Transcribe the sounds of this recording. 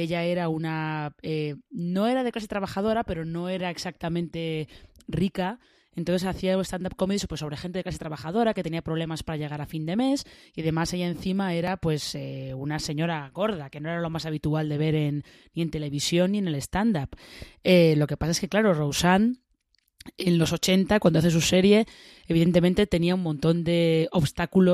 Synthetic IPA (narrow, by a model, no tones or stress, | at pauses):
e̞ʎae̞ɾaunaeno̞e̞ɾað̞eklase̞t̪ɾaβaxað̞o̞ɾape̞ɾo̞no̞e̞ɾaeksak̚t̪amẽ̞nt̪e̞rika | e̞nt̪o̞nθ̬esaθiauest̪and̪ap̚ko̞miðispwoso̞β̞ɾexe̞nt̪eklase̞t̪ɾaβaxað̞o̞ɾake̞t̪e̞niapɾo̞β̞le̞maspaɾaʝe̞ɣ̞aɾafind̪e̞me̞siað̞e̞maseʝae̞nθimae̞ɾapwe̞seunase̞ɲo̞ɾaɣo̞ɾð̞ake̞no̞eɾalo̞masaβ̞it̪uald̪e̞β̞e̞ɾenː | ie̞nt̪e̞le̞βisjo̞nːiene̞le̞st̪and̪apelo̞ke̞pasaeske̞klaɾo̞rowsan | e̞nlo̞so̞t͡ʃe̞nt̪akwand̪oaθe̞s̬use̞ɾje̞ː | βiðe̞nt̪̬e̞ment̪e̞t̪e̞niaumõnt̪o̞nd̪e̞o̞βst̪akulo